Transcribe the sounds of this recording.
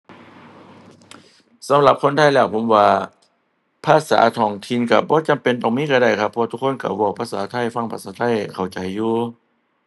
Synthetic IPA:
sa˨˦mla˧˦p̚kʰo˧˥˨nt̪ʰa˧˥˨jlɛː˧˩wpʰo˨˦mwaː˧ | pʰaː˧˨sa̰ː˨˦t̪ʰɔː˧˩ŋt̪ʰi˧˥˨nka˧˩bɔː˧˦t͡ɕa˨˦mpe˨nt̪ɔː˧˨˩ŋmiː˧˥˨ka˧˩da˧˩jkʰa˧pʰːɔ˧t̪ʰu˧kʰːo˧˥˨nka̰˧˩wɔː˧˩˨pʰa˧saː˨˦t̪ʰa˧˥˨jfa˧˥˨ŋpʰa˧saː˧˦t̪ʰa˧˥˨jkʰa˨˩wt͡ɕa˨˩jːuː˧˩

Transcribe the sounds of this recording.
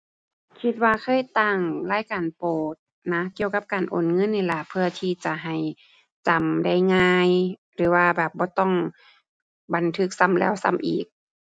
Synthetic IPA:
kʰi˧˥t̪̚waː˧kʰɤː˧˥˨jt̪a˧˩ŋlaː˧˥˨jkaː˨˩npoː˨˩t̪̚ | na˦ki˧˨əwka˧˥p̚kaː˨˩nʔo̰ː˨˩nŋɤ˧˥˨nːiː˧˩˨la˧˩pʰɯ˧ɐt̪ʰiː˧t͡ɕa˧˩ɦa˨˩j | t͡ɕa˨˩mda˧˩jŋaː˧jɾɯː˨˦waː˧bɛː˨˩p̚bɔː˧˦t̪ɔ˧˩˨ŋ | ba˨nt̪ʰɯ˧˥k̚sa˧˥˨mlɛ̰ː˧˩wsa̰˧˨mʔḭː˨˩k̚

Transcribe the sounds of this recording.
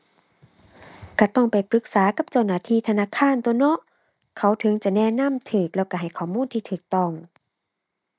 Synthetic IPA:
ka˧˩t̪ɔ˧˩ŋpa˨jpʰɾɯ˧˦k̚saː˨˦ka˧˦p̚t͡ɕa˧˩wnaː˧˩˨t̪ʰiː˧˥˨t̪ʰa˧naː˧˥˨kʰaː˧˥˨nt̪o˧˨nɔ˧˥ʔ | kʰa˧˩˦wt̪ʰɤ˨˧˦ŋt͡ɕa˧˨nɛː˧˨na˧˥˨mt̪ʰɯː˧˩k̚lɛː˧˩wka˧˩ɦa˨˩jkʰɔː˨˩muː˧˥˨nt̪ʰiː˧t̪ʰɯː˨˩k̚t̪ɔ˧˩˨ŋ

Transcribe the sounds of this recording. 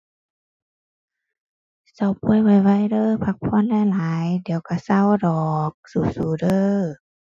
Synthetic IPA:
sa˧˩wpʰu˧˥˨jwa˧˩jwa˧˥˨jdɤː˧˨pʰa˧k̚pʰɔ˧˥˨nda˧˨laː˨˦jdi˨˦wka˧˩sa˧˥˩wdɔː˨˩k̚suː˧˩suː˧˩˦dɤː˧˨

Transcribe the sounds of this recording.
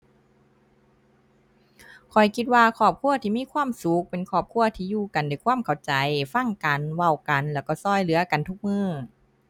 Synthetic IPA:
kʰɔ˨˩jkʰi˧t̪̚waː˧kʰɔː˧˩p̚kʰu˧˥ɐt̪ʰiː˧˨miː˧˥˨kʰwaː˧˥˨msu˨˦k̚pe˨nkʰɔː˧˩p̚kʰu˧˥˨ɐt̪ʰiː˧˨juː˧˩ka˨nda˧˩jkʰwaː˧˥˨mkʰa˨˩wt͡ɕa˨jfa˧˥˨ŋka˨nwa˧˩wka˨nlɛː˧˩wkɔː˧˩sɔː˧˩jlɯ˨˦ɐka˨nt̪ʰu˧˥k̚mɯː˧˥˩

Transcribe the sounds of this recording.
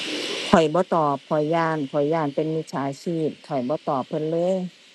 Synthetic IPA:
kʰɔ˨˩jbɔː˧˦t̪ɔː˨˩p̚kʰɔ˨˩jːaː˧˩nkʰɔ˨˩jːaː˧˩npe˧˨nmi˧˥t̪̚sʰaː˨˦jsiː˧˩p̚t̪ʰɔ˨˩jbɔː˧˦t̪ɔː˨˩pʰːɤ˧˥˨nlɤː˧˥˨j

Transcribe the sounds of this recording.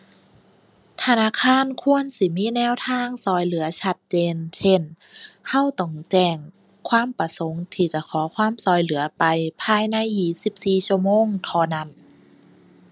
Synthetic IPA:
t̪ʰa˧naː˧˥˨kʰaː˧˥˨nkʰu˧˥˨ənsi˧˦miː˧˥˨nɛː˧˥˨wt̪ʰaː˧˥˨ŋsɔː˧˩jlɯ˩˦ɐt͡ɕʰa˧t̪̚t͡ɕeː˧nsʰe˧˥˩nha˧˥˨wt̪ɔ˧˩ŋt͡ɕɛː˧˩ŋ | kʰwaː˧˥˨mpa˧so˨˦ŋt̪ʰiː˧˩t͡ɕa˧˩˦kʰɔː˩˦kʰwaː˧˥˨msɔː˧˩jlɯ˩˦ɐpa˧jpʰaː˧˨jna˧˥˨jːiː˨˩si˧˦p̚siː˨˩t͡ɕʰu˧˩əmoː˧˥˨ŋt̪ʰɔː˧na˧˩˨n

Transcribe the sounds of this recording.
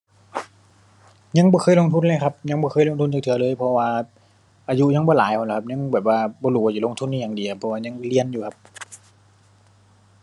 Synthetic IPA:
ɲa˧˥˨ŋbɔː˧xʰɤː˧˨lo˧ŋt̪ʰu˧˥˨nlaː˧˨kʰa˧p̚ɲa˧˥˨ŋbɔː˧kʰɤː˧˥˨jlo˧ŋt̪u˧˥˨nt͡ɕaː˨˩kt̪ʰɯ˨˦ɐ˦lɤː˧˨jpʰɔ˧waː˧ | ʔaː˧ju˧ɲa˧˥ŋbɔː˧˦laː˨˦jkʰa˧˩˨la˧˩kʰa˧p̚ɲa˧˥˨ŋbɛː˨˩p̚waː˧bɔː˧luː˧˩waː˧˩u˧lo˧˥ŋt̪ʰu˧˥nːiː˧˨ɲaː˨˧˨ŋdi˨˩˧pʰːɔ˧waː˧ɲa˧˥˨ŋli˧˩ənjuː˨kʰa˧p̚

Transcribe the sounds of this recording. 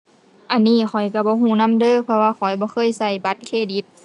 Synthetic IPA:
ʔa˧˨nːiː˧˩˨kʰɔ˨˩jka˧˩bɔː˧˦ɦuː˧˩˨na˧˥˨mdɤː˧˥˨pʰɔ˧waː˧˨kʰɔ˨˩jbɔː˧˦˨xʰɤː˧˥˨jsa˧˩jba˧˦t̪̚kʰeː˧˨di˧˦t̪̚

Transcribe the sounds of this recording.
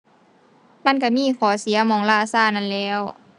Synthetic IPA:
ma˧˥˨nka˧˩miː˧˥˨kʰɔː˩˦si˨˩˦ɐmɔː˧˩˨ŋlaː˧˩saː˧˥˩na˧˥˨nlɛː˧˥˩w

